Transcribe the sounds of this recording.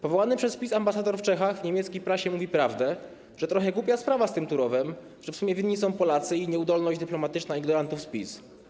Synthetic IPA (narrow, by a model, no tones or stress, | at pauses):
pɔvɔwanɘpʂɛspʲisambasad̪ɔɾft͡ʂɛxaɣvɲemʲjɛt̪skʲijpɾaɕɛmuvʲipɾavd̪ɛ | ʐ̥ɛt̪ɾɔxɛɡwupʲjaspɾavast̪ɘmt̪uɾɔvɛm | ʐ̥ɛfsumʲjɛvʲinɲisɔ̃w̃pɔlat̪sɘiɲɛud̪ɔlnɔʑd͡ʑd̪ɘplɔmat̪ɘt͡ʂnaiɡnɔɾant̪ufspʲis